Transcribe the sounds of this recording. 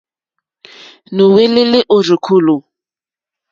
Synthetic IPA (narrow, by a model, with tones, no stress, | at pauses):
nʊ˨we˦lɪ˦lɪ˦ʔʊ˨rɪ˨kʰʊ˦˨lʊ˨